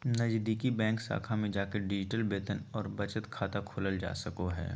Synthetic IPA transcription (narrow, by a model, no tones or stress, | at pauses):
nɐd͡ʒd̪iːkibɛ̃ːŋksa̰ːkʰamẽd͡ʒaːkeɖɪd͡ʒɪʈəlbeːt̪ənɔːɾbɐt͡ʃət̪kʰaːt̪akʰoləld͡ʒa̰ːsɐkoɦɛ̰ː